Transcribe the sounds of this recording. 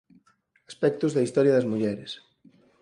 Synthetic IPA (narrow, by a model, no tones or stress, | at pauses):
aspɛk̚t̪ʊzðɐist̪ɔɾjɐðɐzmuʎɛɾes